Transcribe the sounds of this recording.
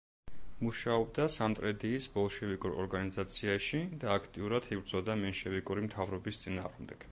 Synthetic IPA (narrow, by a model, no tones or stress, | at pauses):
muʃaɔbd̪asamt̪ʼɾɛd̪iːsbɔlˠʃɛvikʼuɾɔ̰ɾɡanizat̪sʰiaʃid̪aːkʰt̪ʼiuɾad̪̥ibɾd̪zɔd̪amɛnʃɛvikʼuɾimt̪ʰavɾɔbist̪sʼina̰ːʁmd̪ɛɡ̥